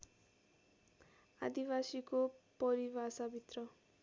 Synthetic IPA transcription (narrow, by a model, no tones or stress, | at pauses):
a̰d̪ibasikopʌɾibasabʱit̪rʌ